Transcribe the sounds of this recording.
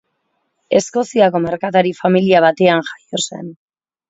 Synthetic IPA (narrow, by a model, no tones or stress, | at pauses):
e̞sko̞siako̞me̞ɾkat̪aɾifamiliaβ̞at̪e̞anʝḁjo̞se̞̰n